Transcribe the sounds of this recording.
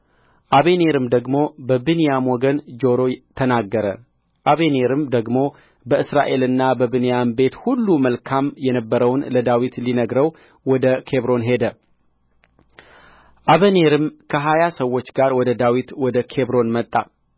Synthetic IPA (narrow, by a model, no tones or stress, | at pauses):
ʔaβene̞ɾɨmd̪əɡmo̞bəbɨnijamwɔɡənd͡ʒo̞ɾo̞t̪ʰənaɡːəɾə | ʔaβeneɾɨmd̪əɡmo̞ | bəʔɨsɾaʔe̞lɨnːabəbɨnijambe̞t̪hulːuməlkʰamjɛnəbːəɾəwnləd̪awit̪linəɡɾəw | wɔd̪əkʰe̞βɾo̞nɦe̞d̪ə | ʔaβəne̞ɾɨmkʰəɦajasəwːo̞t͡ʃːɡaɾwɔd̪əd̪awit̪wɔd̪əkʰe̞βɾo̞nmət̪ʼːa̰